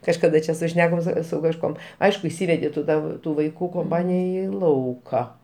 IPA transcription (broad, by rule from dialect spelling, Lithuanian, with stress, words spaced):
kɐʃkɐˈdɐ t͡ʃʲɛ sʊˈʃʲnʲæːkoːm sʊ sʊ kɐʃˈkuɔm ˈɐɪʃkʊ ɪʃʲˈsʲiːʋʲɛdʲɪ tʊ ˈtɑː ˈtuː ʋɐɪˈkuː koːmˈpɑːnʲɪjɛ ˈiː ˈlˠɐʊkɑː